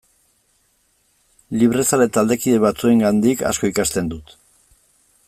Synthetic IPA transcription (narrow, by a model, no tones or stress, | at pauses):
liβ̞ɾe̞salet̪ald̪e̞kiðe̞βat͡sue̞ŋɡand̪ika̰sko̞ikast̪e̞nd̪ut̪